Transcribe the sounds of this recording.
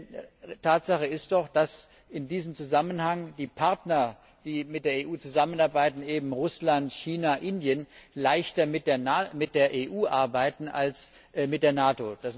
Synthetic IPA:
tʰaːtz̥aχəɪst̚d̥ɔχd̥as | ʔɪndiːzəmt͡suzamənhaŋdiːpʰaɐtnɐ | d̥iːmɪt̚d̥eːɐeːʔuːt͡suzamənaɐbaɪtn̩eːbm̩ʁʊslantçiːnaʔɪndjənlaɪçtɐmɪd̥eɐnmɪt̚d̥eːɐʔeːʔuːʔaɐbaɪtn̩ʔa̰ls | mɪt̚d̥eːɐnaːtod̥as

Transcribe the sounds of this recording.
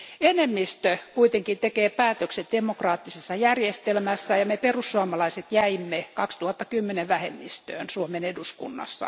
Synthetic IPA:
enemːist̪økuit̪eŋkint̪ekeːpæːt̪økset̪̚d̥emokrɑːt̪ːisesːɑjærjest̪elmæsːæjɑmeperusːuɑmɑlɑiset̪jæimːekɑkst̪uhɑt̪ːɑkymːeneʋæhḛmːist̪ø̰ːnsuomeneduskṵnːɑ̰sːɑ̰

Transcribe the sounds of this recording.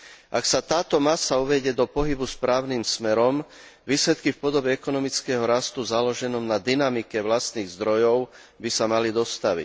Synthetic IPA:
ʔaksat̪aːt̪ɔmasauʋɛɟɛd̪ɔpɔɦibuspɾaːʊniːmsmɛɾɔm | ʋiːslɛt̪kifpɔd̪ɔbɛɛkɔnɔmit͡skɛɦɔɾast̪uzalɔʒɛnɔmnad̪inamikɛʋlast̪niːɣzd̪ɾɔjɔʊ | bisamalid̪ɔst̪aʋḭc

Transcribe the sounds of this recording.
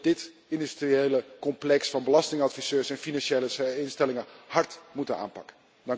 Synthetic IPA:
dɪt | ɪndystriejləkɔmplɛksfɑnbəlɑstɪŋɑtfisøːɹsɛnfinɑnʃejləɪnstɛlɪŋəhɑɹtmutəna̰ːnpɑkə | dɑŋ

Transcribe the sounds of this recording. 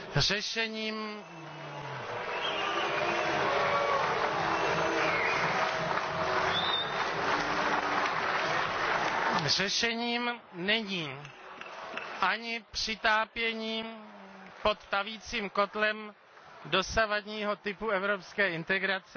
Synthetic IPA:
r̝ɛʃɛɲiːm | r̝ɛʃɛɲiːm | nɛɲiː | ʔaɲɪpr̝̥ɪt̪aːpjɛɲiː | po̞t̪ːaviːt͡siːmko̞t̪lɛm | do̞savadɲiːɦo̞t̪ɪpuɛvɾopskɛːɪnt̪ɛɡɾat͡sɛ

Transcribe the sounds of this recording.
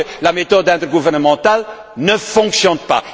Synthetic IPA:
lamet̪ɔd̪ɛ̃t̪ɛʁɡuvɛʁnəmɑ̃t̪al | nəfɔ̃ksjɔnpa̰

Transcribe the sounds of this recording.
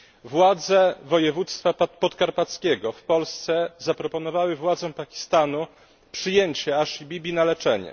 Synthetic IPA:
vwad̪zɛvɔjɛvut̪st̪fappɔt̪kaɾpat̪skʲɛɡɔfpɔlst̪sɛzapɾɔpɔnɔvawɘvwad̪zɛ̃pakʲi̥st̪anu | pʂɘjeɲt͡ɕɛaʂibʲibʲinalɛt͡ʂɛɲɛ̰

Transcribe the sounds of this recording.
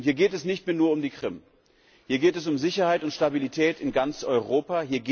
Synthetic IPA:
iːɐɡeːtɛsnɪçtmeːɐnuːɐʊmdiːkʁ̥ɪm | hiːɐɡeːtɛs̬ʊmzɪçɐhaɪtʊntʃtabilitʰɛːtɪnɡant͡sʔɔʏʁoːpahiːɐɡ

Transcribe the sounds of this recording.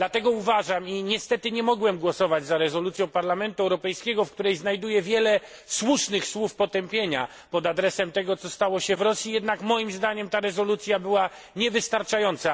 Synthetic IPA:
d̪lat̪ɛɡɔuvaʐamiɲɛst̪ɛt̪ɘɲɛmɔɡwɛmɡwɔsɔvad͡ʑzaɾɛzɔlut̪sʲjɔ̃w̃paɾlamɛnt̪uɛwɾɔpɛjskʲɛɡɔfkt̪uɾɛjznajd̪ujɛvʲjɛlɛ | swuʂnɘxswufpɔt̪ɛmpʲjeɲa | pɔd̪ad̪ɾɛsɛmt̪ɛɡɔt̪sɔst̪awɔɕɛvɾɔsʲjijɛd̪nakmɔjimzd̪aɲɛmt̪aɾɛzɔlut̪sʲjabɘwa | ɲɛvɘst̪aɾt͡ʂajɔnt̪sa

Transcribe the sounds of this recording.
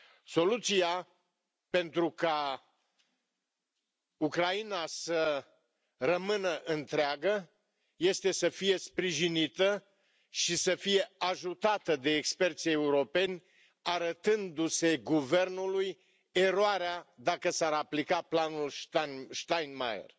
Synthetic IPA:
so̞lut̪sija | pe̞nt̪ɾuka | ukɾainasə | rəmɨnəʔɨnt̪ɾeaɡə | je̞st̪e̞səfije̞spɾiʒinit̪ə | ʃisəfije̞aʒut̪at̪əd̪e̞ːkspe̞rt̪se̞uɾo̞pe̞nʲ | aɾət̪ɨnd̪use̞ɡuve̞rnuluj | e̞ɾoaɾead̪akəsaɾaplikaplanulʃʃt̪ajnma̰jḛr

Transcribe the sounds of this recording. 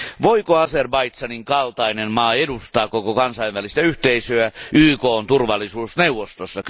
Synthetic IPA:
ʋo̞ikoɑserbɑjt̪sɑniŋkɑlt̪ɑinenmɑːedust̪ɑːkokokɑnsɑjʋʋælist̪æyht̪eisøæyːko̞ːnt̪urʋɑlːisuːsneuwʋːˑost̪osːɑk

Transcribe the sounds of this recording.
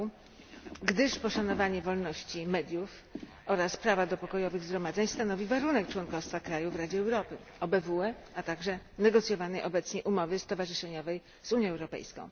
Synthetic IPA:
ɡd̪ɘʂpɔʂan̪ɔvaɲɛvɔlnɔɕt͡ɕimɛd̪ʲjuf | ɔɾaspɾavad̪ɔpɔkɔjɔvɘɣzɡɾɔmad̪zɛɲst̪anɔvʲivaɾunɛkt͡ʂwɔnkɔfst̪fakɾajuvɾad͡ʑɛɛwɾɔpɘ | ɔbɛvuɛat̪aɡʐɛnɛɡɔt̪sʲjɔvanɛjʔɔbɛt̪sɲɛʔumɔvɘst̪ɔvaʐɘʂɛɲɔvɛj | z̥uɲjɔ̃ɛwɾɔpɛ̰jskɔ̰̃w̃

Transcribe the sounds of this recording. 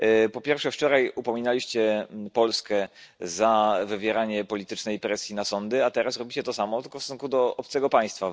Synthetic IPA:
pɔpʲjɛɾfʂɛft͡ʂɔɾajupɔmʲinalʲiɕt͡ɕɛpɔlskɛzavɘvʲjɛɾaɲɛpɔlʲit̪ɘt͡ʂnɛjpɾɛsʲjinasɔnd̪ɘat̪ɛɾasɾɔbʲit͡ɕɛt̪ɔsamɔt̪ɘlkɔfssuŋkud̪ɔɔp̚t̪sɛɡɔpaj̃st̪fa

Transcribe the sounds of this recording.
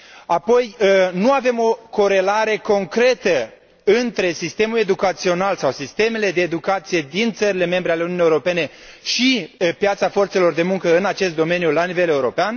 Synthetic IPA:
apo̞jnuave̞mo̞ko̞ɾe̞laɾe̞ko̞ŋkɾe̞t̪ə | ɨnt̪ɾe̞sist̪e̞mule̞d̪ukat̪sio̞nalsawsist̪e̞me̞le̞d̪e̞ːd̪ukat̪sije̞d̪int̪səɾile̞me̞mbɾe̞aleununijeuɾo̞pe̞ne̞ | ʃipjat̪safo̞rt̪se̞lo̞rd̪e̞muŋkəɨnat͡ʃe̞st̪̚d̪o̞me̞njulanive̞le̞uɾo̞pean

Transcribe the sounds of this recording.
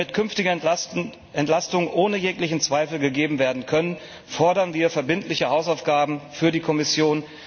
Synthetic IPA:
ɪtkʰʏnftɪɡ | ɛntlastʊŋʔoːnəjeːklɪçn̩t͡sv̥aɪfl̩ɡəɡeːbm̩veːɐdn̩kʰœnən | fɔɐɾɐnviːɐfɛɐbɪntʰlɪçəhaʊsaʊfɡ̥aːbm̩fyːɐdiːkʰɔmɪsjoːn

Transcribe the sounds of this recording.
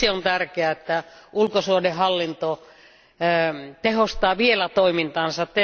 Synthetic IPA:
eont̪ærkeæet̪ːæulkosuodehɑlːint̪o | t̪ehost̪ɑːʋielæt̪oimint̪ɑːnsɑt̪te

